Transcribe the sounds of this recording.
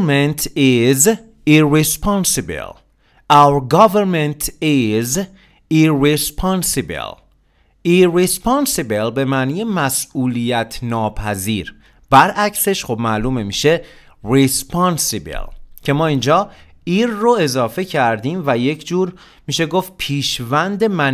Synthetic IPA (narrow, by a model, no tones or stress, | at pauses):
ment̪ʰiz | irespʰɑnsibḛl | ʔæwɾɡɒveɾment̪ʰiz | iɹespʰɑnsibḛl | irespʰɑnsebelbe̞mæːnijemæsuːlijæt̪ʰnɒːpʰæzḭːɾ | bæɾʔæcse̞ʃχobmæʔluːmemiʃe̞ | respʰɒnsibḛlcʰe̞mɒːiːnd͡ʒɒː | iːɾːoe̞zɒːfe̞cʰæɾd̪iːmvæje̞cʰd͡ʒuːɾ | miːʃe̞ɡo̞ft̪̚pʰiːʃvænd̪e̞mæn